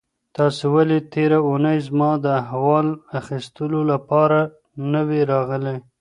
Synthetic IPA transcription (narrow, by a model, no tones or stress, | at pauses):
t̪ɑsewalet̪eɾaunəjzmɑd̪əaɦwɑlaxist̪əlolapɑɾa | nəweɾɑɣəle